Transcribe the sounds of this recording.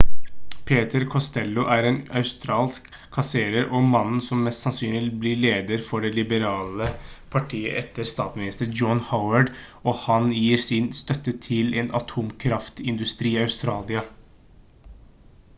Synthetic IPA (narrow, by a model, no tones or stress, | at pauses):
pʰeːt̪əɾkʰɔst̪ɛlːʊʔæɾeːnɑʉst̪ɾɑːlskʰː | ɑseːɾəɾʔɔmɑnn̩sɔmːɛst̪sɑnsyːnlɪblɪɭeːd̪əɾfɔɖɛlɪbəɾɑːləpʰɑʈʰiːə̰ʔɛt̪ːəɾst̪ɑːt̪smɪnɪst̪əɾd͡ʒɔnhaʊəɖ | ɔhɑnjiːɾsɪnst̪œt̪ːət̪ʰɪleːnɑt̪ʰuːmkʰɾɑft̪ɪnd̪ʉst̪ɾiːɑʉst̪ɾɑːlɪɑ